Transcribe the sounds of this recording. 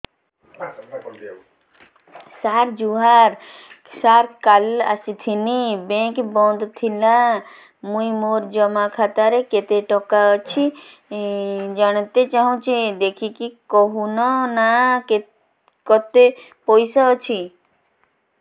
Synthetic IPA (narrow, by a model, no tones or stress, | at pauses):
saɾd͡ʒuɦaɾ | saɾkala̰sit̪ʰinibẽkbɔ̃nd̪t̪ʰilã | mũimoɾd͡ʒəmakʰat̪aɾeket̪eʈɔkaɔt͡ʃʰi | d͡ʒəɳ̃t̪et͡ʃaɦũt͡ʃʰed̪ekʰikikɔɦunɔnake | kɔt̪e | pɔjsat͡ʃʰi